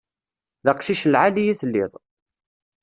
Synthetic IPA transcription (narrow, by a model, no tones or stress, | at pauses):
ðɑqʃiʃəlʕalijiθəlːɪðˤ